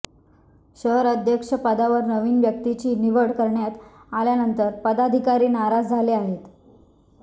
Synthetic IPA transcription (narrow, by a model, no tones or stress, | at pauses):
ɕəɦəɾəd̪ʱjəkʂəpəd̪aʋəɾnəʋiːnʋjək̚t̪it͡ɕiːniʋəɽkəɾɳjat̪aljanənt̪əɾpəd̪ad̪ʱikaɾiːnaɾad͡zd͡zʱaleaɦet̪